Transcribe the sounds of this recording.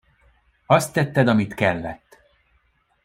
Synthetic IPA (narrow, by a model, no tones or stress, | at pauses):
ɒst̪ːɛt̪ːɛd̪ɒmit̪kɛlːɛ̰t̪ː